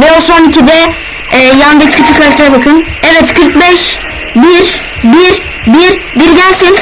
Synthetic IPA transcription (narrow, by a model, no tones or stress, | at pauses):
vɛoso̞nicʰid̪ɛː | jand̪ɛccʰyt͡ʃʰycøɾʲt̪ʰejɛbakʰɯnɛvɛt̪kʰɯɾk̚bɛʃ | biɾ | biɾ | biɾbiɾɟælʲsin